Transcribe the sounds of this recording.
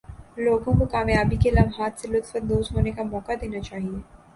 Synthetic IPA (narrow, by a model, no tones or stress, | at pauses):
loːɡõkokaːmjaːbikelɐmɦaːt̪ʰselʊt̪fət̪̚d̪oːsɦoːnekamɔːkad̪eːnat͡ʃaːɦieː